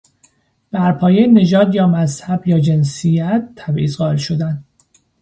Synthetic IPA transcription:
b̥æɾpʰɒːjejene̞d͡ʒɒːd̪jɒːmæzhæbjɒːd͡ʒe̞nsijæt̪ʰːæbʔiːzɣɒːe̞lʃo̞d̪ænd̪

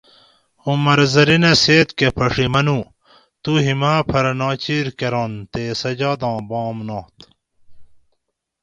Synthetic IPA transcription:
umɐɾzɐɾineseːt̪kepʰɐʂimɐnũ | t̪uɦimaːpʰɐɾnaːt͡ɕiːɾkeɾãːnt̪eːsɐd͡ʑaːd̪ãːbɑ̃ːmnãːt̪

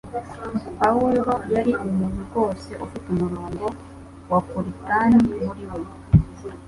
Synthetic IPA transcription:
pawulɾojaɾiʔomuɲiɡo̞ːseʔofutomuloːŋbo | wapuɾitaːnimuɾiwe

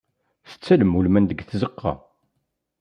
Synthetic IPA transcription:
θə̥t͡sːæləmːulmænd̪əɡθzəqːɑ̰

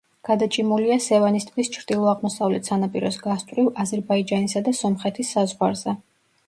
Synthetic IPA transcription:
ɡ̥ad̪at͡ʃʼimuliasɛvanist̪ʰwist͡ʃʰɾd̪̥ilˠɔaʁmɔsavlɛt̪ʰsanapʼiɾɔsɡast̪ʼɾivazɛɾbaid͡ʒanisad̪asɔmχɛt̪ʰisːazʁwaɾzɛ

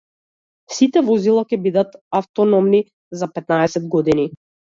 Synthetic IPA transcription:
sit̪ɛvɔzilˠakʲɛbid̪at̪aft̪ɔnɔmni | zapɛt̪naɛsɛd̪ɡɔd̪ini

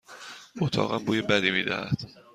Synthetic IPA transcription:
ot̪ʰɒ̰ːɣæ̰mbuːjebæd̪iːmiːd̪æ̰hæ̰d̪̥

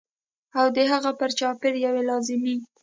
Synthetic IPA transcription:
awd̪əɦaɣapəɾt͡ʃɑpɪɾjawelɑzɪmi

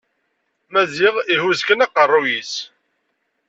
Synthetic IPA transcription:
mæziʁihuzkənɑqərˤːujis

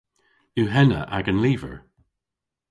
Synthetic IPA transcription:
uɦɛnə̰ʔa̰ɡənliːvə̰ɹ

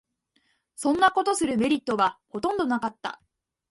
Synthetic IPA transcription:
sõ̞nːako̞t̪o̞sɨɾɯ̟me̞ɾʲit̪ːo̞βaho̞t̪õ̞nd̪o̞nakat̪ːa̰

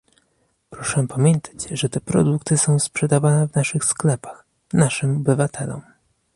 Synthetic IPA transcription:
pɾɔʂɛpamʲjɛnt̪ʰḁt͡ɕʐɛt̪ɛpɾɔ̰d̪ukt̪ɘsɔ̃w̃spʂɛd̪avanɛvnaʂɘxsklɛpax | naʂɘmɔbɘvat̪ʰɛlɔ̰m

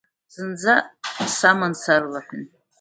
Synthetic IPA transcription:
z̥ɨnd͡zasamansarlaħʷʊn

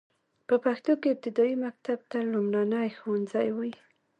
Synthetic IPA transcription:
pəpaxt̪okeɪb̚t̪ɪd̪ɑimak̚t̪ab̚t̪alumɽanəjxowanzajwi

